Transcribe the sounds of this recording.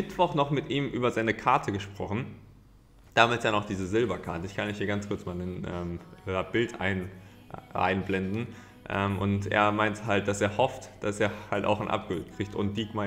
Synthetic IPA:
mɪtv̥ɔχnɔχmɪtʔiːmʔyːbɐzaɪnəkʰaɐtʰəɡəʃpʁ̥ɔχn̩ | d̥aːmɪtjaːnɔχd̥iːzəzɪlbɐkʰaɐtəɪçkʰanɪçhiːɐɡant͡skʰʊɐt͡smaːlnənʔɛːmab̥ɪltʰʔa̰ɪn | ʔa̰ɪnblɛndn̩ | ʔɛːmʔʊntʔḛːɐmaɪnthalt̚d̥aseːɐhɔftd̥aseːɐhalta̰ʊxanʔa̰p̚ɡ̥ʊltkʁ̥ɪçtʊ̰nt̚d̥iːɡma

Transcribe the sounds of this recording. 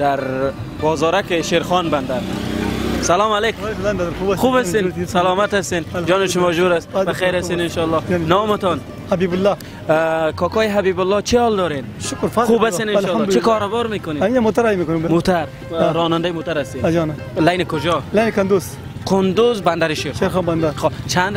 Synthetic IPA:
d̪̥aɾ | bɔːzɔːɾakɪʃeɾxɔnband̪aɾ | salɔmaleklanɾuxubast̪esalɔːmat̪ast̪end͡ʒɔːnɪʃʊmɔd͡ʒoɾast̪baxajɾast̪enɪnʃɔlːɔnɔːmɪt̪ɔn | habibʊlːɔ | kʰɔkɔːjɦabibʊlːɔt͡ʃʰiɔːld̪ɔːɾenʃʊkɾfaxubasenɪnːt͡ʃikɔɾʊbɔɾmekʊneminamot̪aɾajmekʊnemot̪aɾ | ɾɔːnand̪ajimot̪aɾast̪ed͡ʒɔna | lajnikʊd͡ʒɔlajnikʊnd̪uz | kʰʊnd̪ʊzband̪aɾiʃeɾʃeɾxɔnband̪aɾɔt͡ʃʰand̪

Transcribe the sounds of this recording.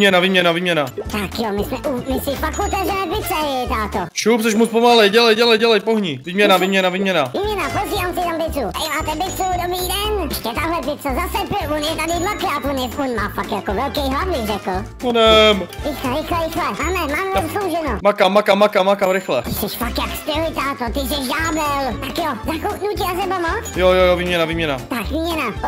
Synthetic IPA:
ɲɛnaviːmɲɛnaviːmɲɛnat̪akjomɪsmɛʔumɪsɪfakut̪ɛvrɛnɛpɪt͡sɛɛt̪aːt̪oʃupsɛʃ̬muspomalɛjɟɛlɛjɟɛlɛjɟɛlɛjpoɦɲiviːmɲɛnaviːmɲɛnaviːmɲɛnaviːmɲɛnapoziːvaːmsɪt̪ambɪt̪ut̪aɪmaːt̪ɛbɪt̪udobɾiːdɛnʃcɛt̪aɦlɛpɪsozasɛpvonjɛt̪adɪmlakat̪onjɛonmaːpakjakovɛlkɛjɦlavbɪxrɛkl̩ | onɛmɾɪxɛɾɪxlɛɾɪxlɛmaːmɛmaːmɛzopslowʒɛnomakamakamakamakaɾɪxlɛsɛʃfakjakst̪ɪlɪt̪at̪ot̪ɪzɛʒdaːbɛlt̪akjozakuknuciazɛbamot͡sjojojoviːmɲɛnaviːmɲɛnat̪akviːmɲɛna

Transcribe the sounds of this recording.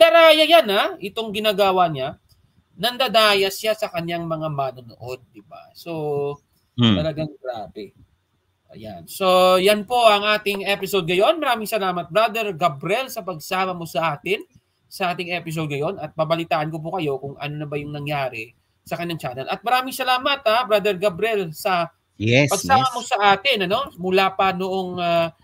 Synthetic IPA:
d̪ɐɾaːjɐjanaʔɪt̪o̞ŋɡɪnaːɡaːwɐɲa | nɐnd̪ɐd̪aːjɐsjasɐkɐɲjaŋmɐŋamaːnono̰ʔo̞d̪̚ːɪba̰so̞ | t̪ɐlɐɡaŋɡɾa̰ːbɛ | ʔɐ̰ja̰nso̞janpo̞ʔɐŋʔaːt̪ɪŋʔɛpɪsod̪̚ŋɐjo̞nmɐɾaːmɪŋsɐlaːmɐt̪̚bɾad̪ɛɾɡabɾɛlsɐpɐɡ̚saːmɐmo̞sɐʔaːt̪ɪn | sɐʔaːt̪ɪŋɛpɪs̬od̪̚ŋɐjo̞nɐt̪̚pɐbɐlɪt̪aːʔɐnkop̬ʊkɐjo̞kʊŋʔɐ̰no̞nɐbɐjʊŋnɐŋjaːɾɛ | sɐkɐɲːaŋt͡ʃaːnɛlʔɐt̪̚mɐɾaːmɪŋsɐlaːmɐt̪abɾad̪ɛɹɡabɾɛlsɐ | jɛpɐɡsaːmɐmo̞sɐʔaːt̪ɪnɐno̞mʊlaːpɐnoʔoŋa

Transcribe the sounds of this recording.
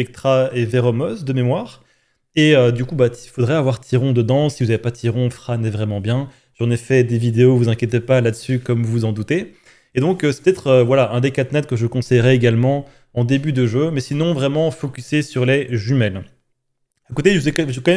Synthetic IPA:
spɛk̚t̪χaeveʁɔmɔzd̪əmemwaːʁ | eød̪ykubat̪ifod̪ʁɛavwaʁt̪ʰiʁɔ̃d̪əd̪ɑ̃sivuzavepat̪ʰiʁɔ̃fχanɛvʁɛmɑ̃bjɛ̃ | ʒ̥ɑ̃nɛfɛd̪evid̪eovuzɛ̃kʲjet̪̬epalad̪əsykɔmvuzɑ̃d̪ut̪e | ed̪ɔ̃køsɛ̥pət̪ɛt̪χøvwalaʔɛ̃d̪ekat̪nɛt̪̚kəʒəkɔ̃sɛjʁɛeɡalmɑ̃ | ɑ̃d̪ebyd̪əʒømɛsinɔ̃vʁɛmɑ̃fɔkʲysesyʁlɛʒymɛl | akot̪eʒəvuzɛʒɛkɔ̃mɛ

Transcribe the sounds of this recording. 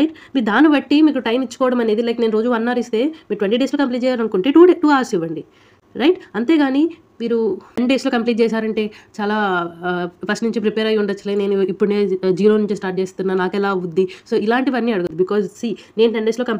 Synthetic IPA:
ɾɐjʈ | miːɾd̪aːniʋɐʈːimiːkuʈɐjmit͡ʃːu̥kɔːʋɐɽɐmɐne̞ːd̪ilɐjk̪nenuɾo̞ːd͡ʒuʋɐnːaːɾist̪e̞ːmiːɾʈʋeɳʈiːɖeːslokɐmpliːʈ̚t͡ʃɛːjaːlɐnukuɳʈe̞ːʈuːɖeʈuːaːɾsiʋːɐɳɖi | ɾɐjʈɐnt̪e̞ːɡaːni | miːɾuɐnɖe̞ːslo̞ːkɐmpliːʈ̚t͡ʃɛːs̬aːɾɐɳʈe̞ːt͡ʃaːlaː | pʰɐsʈnuɲt͡ʃipɾipɛːɾɐjuɳɖɐt͡ʃːɐliːne̞ːnuipːuɽneːd͡ʒiːɾo̞ːnuɲt͡ʃisʈaːɾʈ̚t͡ʃeːst̪unːaːnaːkɛlaːud̪ːiso̞ːilaːɳʈiʋɐnːiɐɽuɡund̪ibikɔːzsiːne̞ːnuɐɳɖeːslo̞ːkɐm

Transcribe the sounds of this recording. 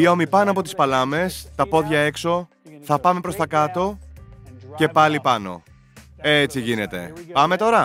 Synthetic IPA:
io̞mipɐnoɐp̬o̞t̪i̥spɐlɐme̞st̪ɐpo̞ðʝɐe̞kso̞ | θɐpɐme̞pɾost̪ɐkɐt̪o̞ | ce̞pɐlipɐno̞̰ | eet͡siʝine̞t̪e̞̰pɐme̞t̪o̞ɾɐ

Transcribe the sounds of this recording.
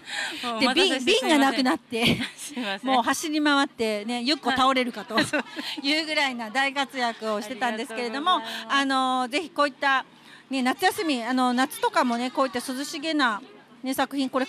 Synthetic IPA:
d̪ebʲĩbʲĩŋɡanakɯ̟nat̪ːe̞ | mo̞ːɦaɕiɾʲimaβat̪ːe̞ne̞jɯkːo̞t̪ao̞ɾe̞ɾɯ̟kat̪o̞jɯ̟ːɡɯ̟ɾainad̪aikat͡sɨjakɯ̟o̞ɕi̥t̪e̞t̪ãnd̪e̞sɨ̥ke̞ɾe̞d̪o̞mo̞ano̞ze̞çi̥ko̞ːit̪ːa | ne̞nat͡sɨjasɨmʲiano̞nat͡sɨ̥t̪o̞kamo̞ne̞koːit̪ːasɨzɨɕiɡe̞na | ne̞sakɯ̟çĩŋko̞ɾe̞

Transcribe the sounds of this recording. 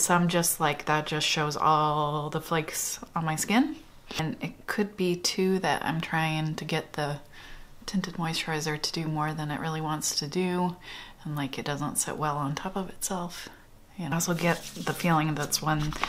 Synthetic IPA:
soʊãɪ̃md͡ʒʌstˡlaɪk̚ðɨt̚d̥ʒ̥ʌstʃoʊzɔ̰lˠðəfleɪksə̃n̩maɪskɪ̃n | ɨ̃nɪt̚kʰɨd̚bitʰʉðɨ̰ɾʔã̰ɪ̃mtʰɹ̥aɪɪ̃ŋtʰɨɡɛt̪̚ðɨ | tʰɪ̃ntɨdnɔɪstʰɹ̥aɪzə˞ɾɨdɨmɔɹðɨ̃nɨʔ̚ɹɪlˠiwɑ̃ntstʰɨdɨ | ə̃nlaɪkɨt̚d̥ʌzə̃ntsɛ̰ʔwɛlˠə̃ntʰɑpʌvɨtsɛlˠf | jɨnosoʊɡɛt̪̚ðɨfilˠɪ̃ŋðætswə̃n

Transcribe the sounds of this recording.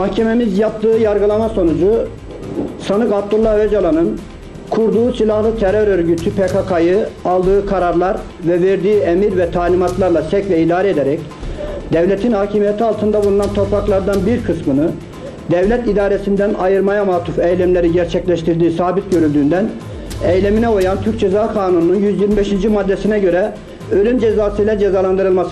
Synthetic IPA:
mahcʰememizjap̚t̪ʰɯːjaɾɡɯlˠamaso̞nud͡ʒu | sanɯkab̚d̪ulˠːahød͡ʒalˠanɯn | kʰuɾd̪uːsilʲˠahlˠɯt̪ʰɛɾøɾøɾɟyt̪ʰypʰekʰakʰajɯalˠd̪ɯːkʰaɾaɾlˠaɾ | vɛveɾd̪iːemiɾvɛt̪ʰaːlʲimat̪lˠaɾlˠasɛcvɛid̪aːɾɛed̪eɾɛcd̪̥ɛvlʲet̪ʰinhaːcʰimijet̪ʰialˠt̪ʰɯnd̪abulˠunant̪ʰo̞pɾaklˠaɾd̪anbiɾkʰɯsmɯnɯ | d̪ɛvlʲɛt̪id̪aːɾesind̪ænajɯɾmajamaːt̪ʰufɛjlʲɛmlʲeɾiɟæɾt͡ʃʰɛclʲɛʃt̪ʰiɾd̪iːsaːbit̪̚ɟø̞ɾylʲd̪yːnd̪æn | ɛjlʲeminɛojant̪ʰyɾc̚d͡ʒezaːkʰaːnunununjyzjiɾmibeʃind͡ʒimad̪ːɛsinɛɟø̞ɾɛ | ølʲynd͡ʒezaːsɯjlʲɛd͡ʒezaːlˠand̪ɯɾɯlˠmas

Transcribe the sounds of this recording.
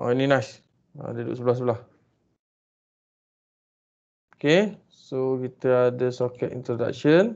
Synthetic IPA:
ʔo̰ininãjs | ã̰dədṵʔsəbəlasəbəlah | oke | sokit̪əadəsɔkɛt̪ḭnt̪ɾoda̰k̚ʃən

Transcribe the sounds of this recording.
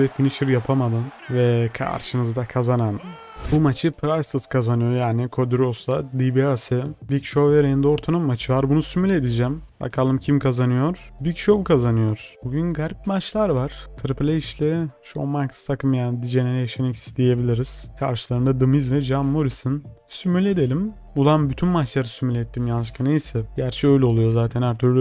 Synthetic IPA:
vɛfiniʃiɾjapʰamad̪ɯnvɛkʰa̰ɾʃɯnɯzd̪akʰazanan | bumat͡ʃʰɯpʰɾasɯskʰazanɯjo̞ɾjaːnikʰod̪yɾoslˠad̪ibiasɯbicʃoveɾeind̪oɾt̪ʰanɯmːat͡ʃʰɯvaɾbunusymylʲed̪id͡ʒɛm | a̰kʰalˠɯmcʰimkʰazanɯjo̞ɾ̥ | bicʃovkʰazanɯjo̞ɾ̥buɟynɡaɾipmat͡ʃlˠaɾvaɾ̥t̪ʰɯɾɯpʰlʲeiʃlʲɛʃo̰makst̪ʰakʰɯmjaːnid̪id͡ʒeneɾeʃenicsd̪ije̞bilʲiɾiz̥kʰa̰ɾʃɯlˠaɾɯnd̪ad̪ɯmizvɛd͡ʒamːoɾisɯn | symylʲe̞d̪elʲim | bulˠanbyt̪ʰynmat͡ʃlˠaɾɯsymylʲɛt̪ʰːimjanʃkʰanejsɛɟæɾt͡ʃʰɛø̞jlʲɛo̞lˠujo̞zaːt̪ʰɛnhæɾt̪ʰyɾlʲy

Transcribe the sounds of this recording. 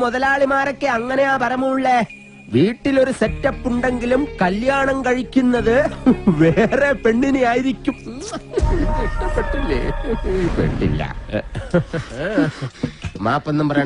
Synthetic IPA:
muðɐlaːɭimaːrokːeɐŋːɐne̞jaːpɐrɐmɐmuɭːe | ʋiːʈːilo̞ɾusetːɐpːuɳɖe̞ŋɡilumkɐljaːɳɐmkɐɻikʲːunːɐðɨʋe̞ːrepe̞ɳːinejaːjiɾikʲːum | peʈːilːḛpḛʈːḭlːɐ̰ | ma̰ːpːɐnːɐmpɐrɐjɳ

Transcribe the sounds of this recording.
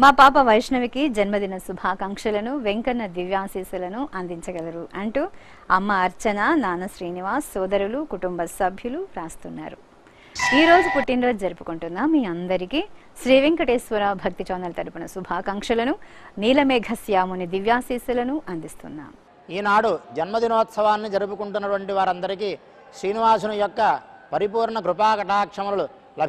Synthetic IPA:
maːpaːpɐʋɐjʂnɐʋikid͡ʒɐnmɐd̪inɐsubʱaːkɐŋkʂɐlɐnuʋeŋkɐnːɐd̪iʋjaːsiːsulɐnuʔɐnd̪iɲt͡ʃɐɡɐlɐɾuʔɐɳʈu | ɐmːɐːɾt͡ʃɐnanaːnɐʃɾiːniʋaːsːɔːd̪ɐɾulukuʈumbɐsɐbʱjuluɾaːst̪unːa̰ːɾu | iːɾo̞ːd͡ʒupuʈːinɾɐːd͡ʒɐɾupu̥kuɳʈund̪aːmːiːɐnd̪ɐɾiki | ʃɾiːʋiŋkɐʈeːsʋɐɾaːbʱɐk̚t̪it͡ʃɔːnd̪ɐlɐt̪ɐɾupinɐsubʱaːkɐŋkʂɐlɐnuniːlɐmeːɡʱɐsjaːmunid̪iʋjaːsiːsulɐnuʔɐnd̪ist̪ṵnːa̰ːm | iːnaːɽud͡ʒɐnmɐd̪inɔːt̪sɐʋaːnːid͡ʒɐɾup̬ukuɳʈunːɐʈʋɐɳʈiʋaːɾɐnd̪ɐɾikiː | ʃɾiːniʋaːsunɐjɔkːɐpɐɾip̬uːɾɳɐkɾupaːkɐʈaːkʂɐmɐlɐlu | lɐb

